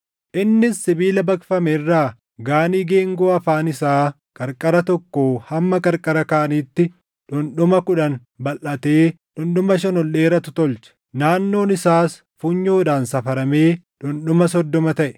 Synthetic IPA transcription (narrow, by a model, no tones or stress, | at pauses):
ʔɪnːɪsːɪbiːlɐbɐkfɐmɛrːaː | ɡaːniːɡe̞ːŋɡoːɐfaːnɪsaː | kʼɐɾkʼɐɾɐt̪ɔkːoːhɐmːɐkʼɐɾkʼɐɾɐkaːniːt̪ːɪ | ᶑʊnᶑʊmɐkʊᶑɐn | bɐlːɐt̪eːᶑʊnɗʊmɐʃ̬ɛnɔlːe̞ːɾɐt̪ʊ̥t̪ɔlt͡ʃɛ̥ | naːnːo̞ːnɪsaːs | fuɲːo̞ːᶑaːnsɐfɐɾɐme̞ː | ᶑʊnɗʊmɐsɔd̪ːɔmɐt̪ɐʔɛ̥